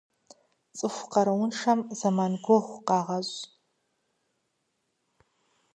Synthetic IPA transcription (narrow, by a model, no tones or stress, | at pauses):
t͡sʼɨfʷqɐɾɐwʊnʂɐmzɐmanɡʷoʁʷqɑːʁɐzʼ